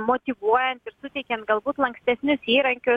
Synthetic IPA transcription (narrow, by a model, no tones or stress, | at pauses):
moːt̪ʲiːʋuɔjɛnt̪ɪɾsʊt̪ʲɛɪkʲɛnt̪̚ɡɐlˠbuːt̪lˠɐŋksʲt̪ʲɛsʲnʲʊsiːɾɐŋʲkʲʊs